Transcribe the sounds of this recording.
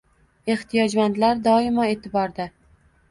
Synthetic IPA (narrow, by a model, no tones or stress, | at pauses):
e̞ht̪ʰijɒd͡ʒmant̪laɾd̪ɒɪmae̞ːt̪ʰɪbɒɾd̪a